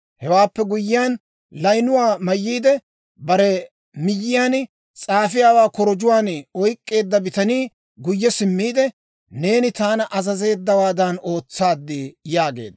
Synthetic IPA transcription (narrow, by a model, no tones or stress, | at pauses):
hɛwaːpːɛɡʊjːɪaːn | lɐjnʊwaːmɐjːiːd̪ɛ | bɐɾɛ | mɪjːɪjaːn | t͡sʼaːfɪjaːwaːkɔɾɔd͡ʒʊwaːnɔjkʼːe̞ːd̪ːɐbɪt̪ɐniː | ɡʊjːɛsɪmːiːd̪ɛ | ne̞ːnɪt̪aːnɐʔɐzɐze̞ːd̪ːɐwaːd̪ɐno̞ːt͡sːaːd̪ːɪjaːɡḛːd̪